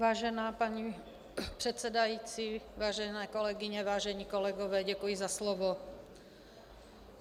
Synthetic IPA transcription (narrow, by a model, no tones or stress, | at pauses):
ʋaːʒɛnaːpaɲi | pr̥ɛt̪sɛd̪ajiːt͡siʋaːʒɛnɛːkɔlɛɡiɲɛʋaːʒɛɲiːkɔlɛɡɔʋɛːɟɛkujizaslɔʋɔ